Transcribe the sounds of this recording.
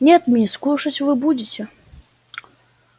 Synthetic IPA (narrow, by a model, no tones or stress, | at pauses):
nʲɛt̪mʲiskuʂɐt͡sʲvɨbud͡zʲet͡sʲɛ